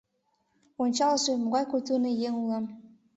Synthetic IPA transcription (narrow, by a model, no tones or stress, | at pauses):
onʲt͡ɕɑləʃemoɣɑjkujt̪unejeŋulɑm